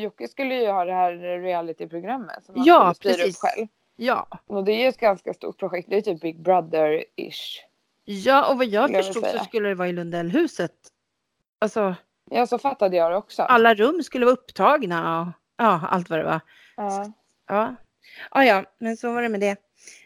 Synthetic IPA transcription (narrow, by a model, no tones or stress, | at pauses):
jɔkːɪskɵlːəjɵhɑːd̪ɛhæːɾːɪælɪt̪ɪpʰɾʊɡɾamːə̰t̪sɔmhajɑːspʰɾiɛːsɾiːpːɧɛ̰lv | jɑ̰ːɔd̪ɛæɾjɵɛt̪ɡanskast̪ṵːʈ̚pʰɾʊɧɛk̚t̪̚d̪ɛjt̪yːp̚bɪɡ̚bɾad̪əɾɪ̰ʂ | jɑːʔɔvajɑːɡfœəʂuːɡ̰ssɔskɵlːəd̪ɛvɑːɪlɵnd̪ɛlːɦʉ̟ːsət̪ | alsɔ | jɑːsɔfat̪ːad̪əjɑːd̪ɛɔksɔ̰ʔalːaɾɵmːskɵlːəvaɵpːt̪ʰɑːɡnaɔ | ʔɑːa̰lt̪vaɾɛ̰va̰ | ɑ | ʔɑː | ʔɑːjɑːmɛnsɔvaɾɛmɛd̪ɛ